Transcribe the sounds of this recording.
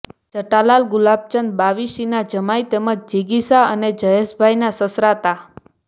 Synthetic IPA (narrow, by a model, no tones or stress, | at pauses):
d͡ʒəʈalalɡulab̚t͡ʃənd̪̚baʋiʃinad͡ʒəmajt̪eməd͡ʒd͡ʒiɡisaəned͡ʒəjeʃbʱajnasəsɾat̪a